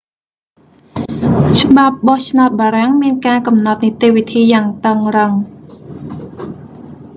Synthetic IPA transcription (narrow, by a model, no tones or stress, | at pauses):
t͡ɕə̆ɓap̚ɓɑht͡ɕʰnaɔt̪̚ɓaːɾaŋmiənkaːkɑmnɑt̪̚nit̪eːʋit̪ʰiːjaːŋt̪əŋrəŋ